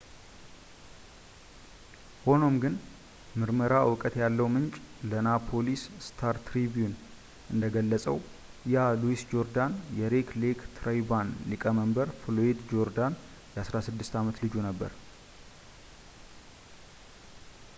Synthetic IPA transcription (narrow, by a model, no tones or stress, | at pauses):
ho̞no̞mɡɨn | mɨɾməɾawɨkʼət̪jalːəwmɨnt͡ʃʼlənapʰo̞lisst̪ʰaɾt̪ɾiβjun | ʔɨnd̪əɡəlːəsʼəw | jaluisd͡ʒo̞ɾd̪anjɛɾeklekt̪ʰɾajbanlikʼəməmbəɾfloed̪d͡ʒo̞ɾd̪an | jɛʔasɾasɨd̪ːɨst̪amət̪lɨd͡ʒunəbːə̰ɾ